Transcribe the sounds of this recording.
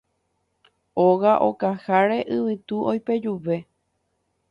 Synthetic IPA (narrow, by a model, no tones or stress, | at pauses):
oɣaʔo̞̰kahaɾe̞ʔɨʋɨt̪uʔojpe̞d͡ʒuʋe̞